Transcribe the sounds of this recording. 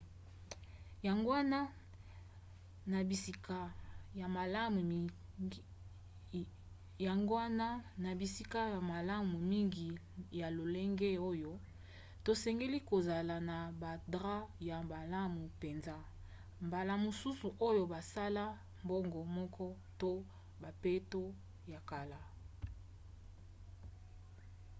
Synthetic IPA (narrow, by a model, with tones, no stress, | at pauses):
ja˨ŋɡo˦a˦na˦ | na˨bi˨si˨ka˨ja˨ma˨la˦mu˨ | ja˨ŋɡo˦a˦na˦na˨bi˨si˦ka˦ja˨ma˨la˦mu˨mi˦ŋɡi˨ | ja˨lo˨le˦ŋɡe˦o˦jo˦ | to˨sɛ˨ŋɡe˦li˦ko˨za˨la˨na˨ba˨dʁa˦ja˨ba˨la˦mu˨pe˨nza˦ | mba˨la˦˨mo˨su˦su˨ʔo˦jo˦ba˨sa˦la˦ | mbo˦ŋɡɔ˨mɔ˦kɔ˦ | to˦ | ba˨pe˦to˦ | ja˨ka˨la˨